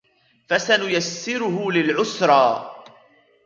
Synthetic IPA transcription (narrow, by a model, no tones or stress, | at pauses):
fasanʊjasːɪɾʊhʊlɪlʕʊsɾˤɑː